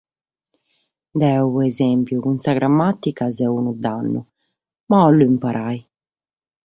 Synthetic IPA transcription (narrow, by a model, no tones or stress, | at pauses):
d̪ɛɛuɛzɛmpjukunsaɡɾamːat̪ːikazɛunud̪anːṵ | maɔlːuimpaɾʔaj